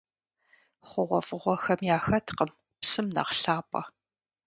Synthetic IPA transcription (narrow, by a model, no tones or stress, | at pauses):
χʷʊʁʷɔfɨʁʷɔxɐmjaːxɐtʰqəm | psɨmnɐ̰qɬaːpʼɐ̰